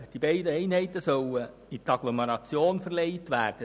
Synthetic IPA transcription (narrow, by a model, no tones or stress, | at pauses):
d̥ibɛɪdəɛɪnhɛɪt̪əsœwə | it̪ɑɡ̥lɔmeɾɑt͡sjoːnfəɾleɪtʋæːɾd̥ə